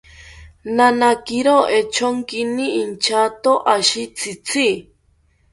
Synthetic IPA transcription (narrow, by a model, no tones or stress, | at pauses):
nanakiɾoet͡ʃʰoŋkiniːnt͡ʃʰat̪oʔaʃit͡sʰit͡sʰi